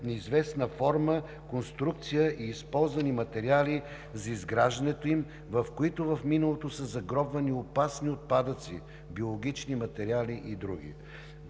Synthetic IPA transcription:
nizvɛsnəfɔɾmə | konst̪ɾuk̚t̪sijəʔiːspɔlˠzvɐnimɐt̪ɛɾiali | zɐizɡɾaʒd̪ɐnɛt̪oim | vɐfkoit̪ovɐfminəlˠot̪osəzɐɡɾɔbvɐniopasniot̪̚pad̪ət̪si | biolˠoɡ̟ʲit͡ʃnimɐt̪ɛɾialiʔid̪ɾṵɡʲḭ

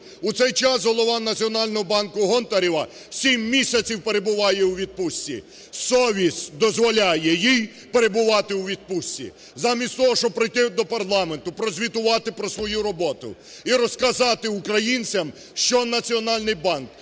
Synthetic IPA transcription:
ʊt̪sɛjt͡ʃɑsɦɔlˠɔʋɑnɐt͡sʲiɔnɑlʲnɔɦɔbɑnkʊɦɔnt̪ɐɾʲiʋɐ | sʲimːʲisʲɐt͡sʲiwpeɾebʊʋɑjɛwʋʲid̪̚pʊsʲtʲːḭ | sɔʋʲisʲd̪ɔzʋɔlʲajɛjij | peɾebʊʋɑt̪ɪwʋʲid̪̚pʊsʲtʲḭ | zɑmʲisʲt̪ʲt̪ɔɦɔʃɔpɾɪjt̪ɪd̪ɔpɐrlˠɑment̪ʊpɾɔzʲʋʲit̪ʊʋɑt̪ɪpɾɔsʋɔjuɾɔbɔt̪ʊ̰ | iɾɔskɐzɑt̪ɪʊkɾɐjinʲt͡sʲɐm | ʃt͡ʃɔnɐt͡sʲiɔnɑlʲnɪjbɑnk

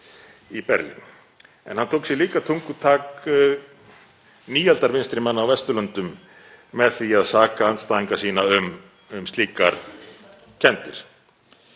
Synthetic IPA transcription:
ipɛɾlḭn | ɛ̰nhant̪ʰowksjɛliːkat̪ʰuŋkʏt̪ʰaːk | niːjalt̪aɾvɪnst̪ɾɪmanːawvɛst̪ʏlœnt̪ʏmː | ɛðθiaðsaːkaant̪st̪aːðiŋkḁsiːnaʏm | ʏmst̪liːkaɾ | cʰɛnt̪ɪɾ̥

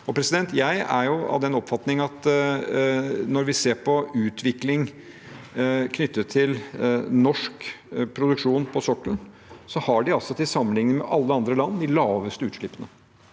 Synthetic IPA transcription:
ɔpʰɾɛsɪd̪ɛnt̪jæɪæ̰ɾjʊɑ̰ʋd̪ɛnɔpfɑt̪nɪŋəɑt̪ | nɔɾʋɪseːɾpʰɔʉːt̪ʰʋɪklɪŋ | kʰnʏt̪ːət̪ʰːɪlnɔʂk | pʰɾʊd̪ʉkʂuːnpʰɔsɔkːən | sɔhɑɖɪɑlsɔt̪ʰɪsɑmːənlɪŋnəmɛʔɑlːəɑnd̪ɾəlɑnːd̪ɪlɑːʋəst̪əʉːt̪ʂɭɪpːənə

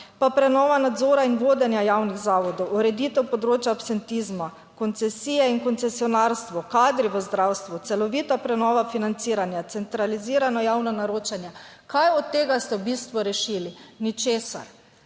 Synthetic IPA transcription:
papɾɛnɔːʋanad̪zoːɾainʋoːd̪ɛnjajawniɣzaːʋɔd̪ɔwuɾɛd̪it̪ɛwpɔd̪ɾoːt͡ʃjapsɛnt̪izma | kɔnt̪sɛsiːjɛinkɔntsɛsiɔnaːɾst̪ʋɔkaːd̪ɾiʋəzd̪ɾaːwst̪ʋut̪sɛlɔʋiːt̪apɾɛnɔːʋafinant̪siːɾanjat̪sɛnt̪ɾaliziːɾanɔjaːwnanaɾoːt͡ʃanjakajɔt̪ːeːɡast̪ɛbist̪ʋɔɾɛʃilinit͡ʃeːsa̰ɾ

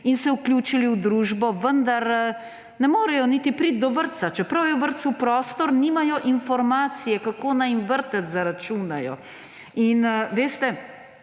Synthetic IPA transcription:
insɛukljuːt͡ʃiliwd̪ɾuːʒbɔʋənd̪aɾ | nɛmoːɾɛjɔnit̪ipɾit̪̚d̪ɔʋəɾt̪sat͡ʃɛpɾɐwjɛwʋəɾt̪supɾɔːst̪ɔɾniːmajɔʔinfɔɾmaːt̪sijɛkakoːnajimʋəɾt̪at̪zaɾat͡ʃuːnajɔ̰ | inʋeːst̪ɛ

